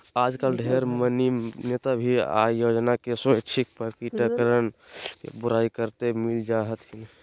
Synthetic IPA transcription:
aːd͡ʒkalɖʱeɾməninet̪abʱia̰jod͡ʒnakesot͡ʃʰik̚pəɾkiʈəkɾənkḛbuɾaikəɾt̪emild͡ʒaɦət̪kin

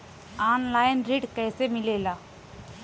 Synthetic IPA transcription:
aːnlaːɪnɾiːɖkɛːsemɪleːlaː

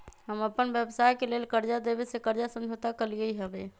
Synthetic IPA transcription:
ɦəməpːənbjebsajkelelkəɾd͡ʒad̪ebesekəɾd͡ʒasəmd͡ʒʱot̪akəliəiɦəbe

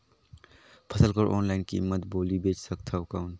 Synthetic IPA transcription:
pʰəsəlkəɾʔo̰ːnlaːɪnkiɪ̰mːət̪boːlibeːt͡ʃsək̚t̪ʰaʊkaʊn

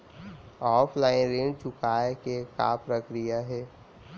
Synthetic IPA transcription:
ɔːpʰlaːɪnɾẽɳɖt͡ʃʊkaːekeka̰pɾəkɾijaɦɛː

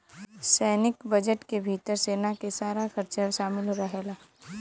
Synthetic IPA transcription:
sɛːnɪkbəd͡ʒəʈkebʱiːt̪əɾseːnakesaːɾaxɐɾt͡ʃaʃaːmɪlɾɐɦelaː

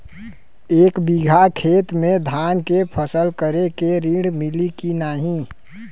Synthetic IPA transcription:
eːkbiɡʱakʰeːt̪mẽd̪ʱankepʰəsəlkəɾekeɾiɽmilikinaɦĩ

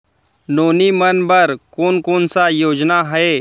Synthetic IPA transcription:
noːnimənbəɾkoːnkoːnsajoːd͡ʒnaɦəeː

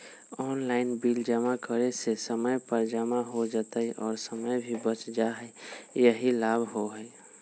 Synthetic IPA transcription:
ɔːnlaɪnbild͡ʒəmakəɾesesəməjpəɾd͡ʒəmaɦod͡ʒət̪əiʔɔːɾsəməjbʱibət͡ʃd͡ʒaɦəjəɦilaːbʱɦoɦəj

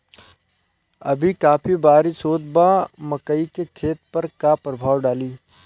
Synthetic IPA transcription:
ɐbʱikaːpʰibaːɾisoːd̪bamɐkəikekʰeːt̪̚pɐɾkapɾəbʱaːʋɖaːliː

